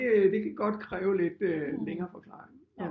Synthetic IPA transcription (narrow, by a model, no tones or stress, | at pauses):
d̥e̝kʰæɡ̥ɒ̽d̥kʰʁɛːʊle̝d̥øleŋɐːfɒ̽kʰlɑ̈ːeŋ